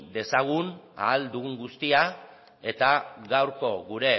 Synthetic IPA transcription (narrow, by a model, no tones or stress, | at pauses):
d̪e̞saɣ̞una̰ːld̪uɣuŋɡust̪ia | e̞t̪aɣawɾko̞ɣuɾe̞